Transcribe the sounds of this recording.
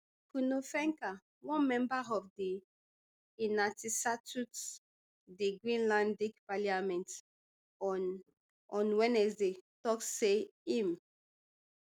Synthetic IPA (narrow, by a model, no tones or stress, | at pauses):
punofɛ̃ŋka | wɔ̃nmɛ̃mbaɔfdi | inatisatut | diɡɹĩnlãndikpaliamɛ̃nt | ɔ̃nwɛ̃nɛsdetɔkːeĩm